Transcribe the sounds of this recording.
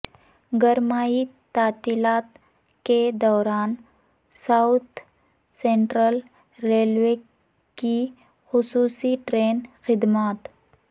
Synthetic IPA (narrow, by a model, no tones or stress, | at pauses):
ɡəɾmaːit̪aːt̪ilaːt̪ | ked̪ɔːɾaːn | saʊt̪ | sẽɳʈɾəl | ɾeːlwe | ki | xʊsuːsiʈɾeːnxɪd̪maːt̪